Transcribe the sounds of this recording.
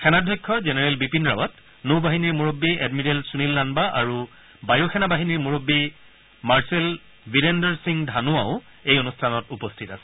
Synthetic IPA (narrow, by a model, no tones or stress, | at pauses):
kʰɛnadʱɔjkʰːɔzenɛɹɛlbipinɹawat | nobaɦiniɹmuɹobːiɛdmidelsunilːanbaʔaɹu | bajokʰɛnabaɦiniɹmuɹobːi | maɹsɛl | viɾendɛɹsiŋdʱanuaʊ | ejɔnustʰanɔtupɔstʰitasɛ̥